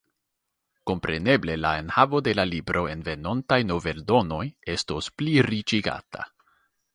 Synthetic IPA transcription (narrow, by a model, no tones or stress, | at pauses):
ko̞mpɾe̞ne̞ble̞lae̞nhavo̞de̞lalibɾo̞e̞nve̞no̞ntajno̞ve̞ldo̞no̞je̞sto̞spliɾit͡ʃiɡa̰tʰa̰